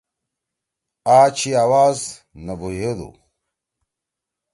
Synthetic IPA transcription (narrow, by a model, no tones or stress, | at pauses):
aːt͡ɕʰiaːwaːz | nɐbuɦed̪ṵ